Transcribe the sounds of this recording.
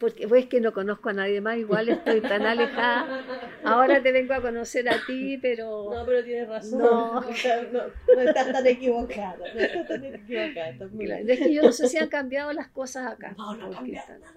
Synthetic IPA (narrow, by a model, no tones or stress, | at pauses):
poɾkepweskenokonohkoanaðjemasiɣwalest̪ojt̪analexaðaaoɾat̪eβeŋɡoakonoseɾat̪ipeɾonopeɾot̪jeneranoanonoet̪ast̪anekiβokaðanotast̪ankiβokat̪al̰nehkeʝonosesiaŋkambjaðolaskosasaka̰ookea̰n